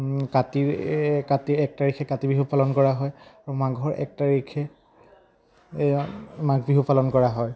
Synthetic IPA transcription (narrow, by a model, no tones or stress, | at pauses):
katikatiɛk̚taɹikʰɛkatibiɦupalɔnkɔɹaɦɔjaɹumaɡʱɔɹʔɛ̰k̚taɹikʰɛ | maɡbiɦupalɔnkɔɹaɦɔj